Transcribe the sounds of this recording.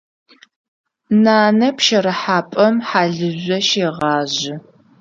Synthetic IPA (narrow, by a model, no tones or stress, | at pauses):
naːnɐpʃɐɾɐħaːpʼɐmħaːɮɨʑʷɔʃeːʁɑːʑɪ